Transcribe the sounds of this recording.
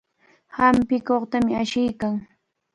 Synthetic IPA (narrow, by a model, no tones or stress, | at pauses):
hampɪkoχt̪amɪaʃɪjkaŋ